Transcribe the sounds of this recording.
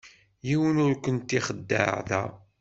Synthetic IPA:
jiwənʊɾkʷənt̪ːiχəd̪ːə̰ɾðæ̰

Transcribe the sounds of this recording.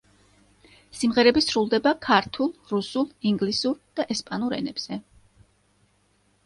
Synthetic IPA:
simʁɛɾɛbisɾulˠd̪ɛbakʰaɾt̪ʰulˠɾusulˠiŋɡlisuɾd̪̥aʔɛspʼanuɾɛ̰nɛb̥z̥ɛ

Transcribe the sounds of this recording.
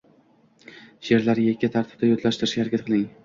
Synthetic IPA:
jeɾlaɾjekʲːat̪ʰaɾt̪ʰɪ̥b̚d̪ajot̪ʰlaʃt̪ɪɾɪʃkʲahaɾakʲat̪qʰɨlˠɪŋ

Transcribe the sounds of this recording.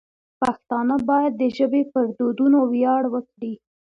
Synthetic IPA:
paxt̪ɑnabɑjad̪ːəʒəbepəɾd̪od̪unowjɑɽwəkɽi

